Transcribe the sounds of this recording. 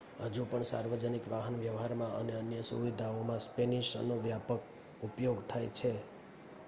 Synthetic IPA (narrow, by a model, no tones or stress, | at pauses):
ɦəd͡ʒupəɳsa̰ɾʋəd͡ʒənikʋaɦənʋjəʋɦaɾmãʔə̰neənjəsṵʋid̪ʱaomãspeniʃə̰noʋjapək̚ | upjoɡt̪ʰajt͡ʃʰe